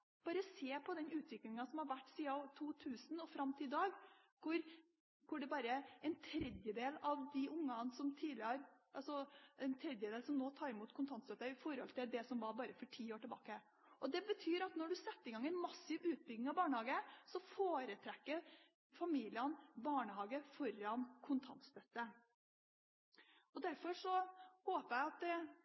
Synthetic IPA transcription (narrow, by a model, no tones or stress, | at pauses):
b̥ɑːɾəseːpʰɔd̪ɛnʉːt̪ʋɪklɪŋɑsɔmhɑɾʋæʈːsiːɑɑt̪ʰuːt̪ʰʉːsn̩ɔfɾɑmːt̪ʰɪld̪ɑːɡ | kʰʊɾ | kʰʊɖɛbɑːɾəɛnt̪ʰɾɛd̪jəd̪eːlɑʋd̪ɪʔʊŋːɑnsɔmt̪ʰiːd̪lɪəɾʔɑlsɔɛnt̪ʰɾɛd̪jəd̪eːlsɔmnoːt̪ʰɑːɾɪmuːt̪kʰʊnt̪ʰɑnt̪sløːt̪əɪfɔɾhɔlt̪ʰɪld̪ɛsɔmʋɑɾbɑːɾəfɔʈʰiːoːʈəbɑ̰ːkə | ʔɔd̪ɛbət̪ʰyːɾɑt̪nɔɖʉsɛt̪ːɪɡɑŋːɛɪnmɑsɪʋʉːt̪̚bʏɡnɪŋɑʋbɑːɳəhɑːɡəsɔfoːɾət̪ʰɾɛkːə | fɑmiːlɪənbɑːɳəhɑːɡəfɔɾɑnkʰʊnt̪ʰɑ̰nt̪st̪œt̪ːə | ɔd̪æɾfɔɾʂɔhoːpəæɪɑt̪̚ɛ